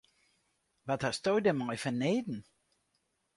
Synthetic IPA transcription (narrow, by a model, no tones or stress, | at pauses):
ʋathastojdɛmɔjfəneːdn̩